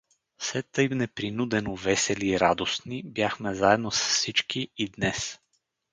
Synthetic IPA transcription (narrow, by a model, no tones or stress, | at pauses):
sɛt̪ɤjmnɛpɾinud̪ɛnovɛsɛliːɾad̪osnibjaxmɛzaɛd̪nosə̥ssit͡ʃkiid̪nɛs